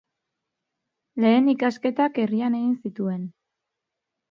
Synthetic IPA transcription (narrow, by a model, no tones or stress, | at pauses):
le̞ːnikaske̞t̪ake̞riane̞ɣinsit̪ue̞n